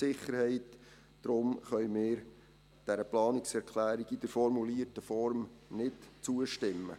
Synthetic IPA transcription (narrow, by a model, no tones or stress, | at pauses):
sɪχːəɾhɛɪt | d̥ɾʊmχœʏmɪːɾ | d̥æɾəplɑːnɪksɛɾkʰlæːɾiɡid̥əɾfɔɾmuliːrtəfɔɾmnɪtt͡suəʃtɪmːə̰